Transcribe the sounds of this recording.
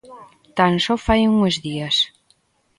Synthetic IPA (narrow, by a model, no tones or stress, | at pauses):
t̪ansɔfajuŋezðias